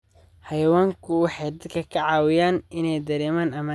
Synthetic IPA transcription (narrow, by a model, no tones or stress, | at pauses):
hɛjwaːŋkʰʊwɑħɑjd̪ɐd̪kʰɐkʰɐʕɑːwɪjaːnɪnɛjd̪ɐɾɛːmaːnɐmɐ